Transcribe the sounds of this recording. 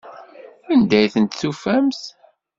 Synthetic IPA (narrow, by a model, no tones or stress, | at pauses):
ænd̪æjθənt̪θufæmθ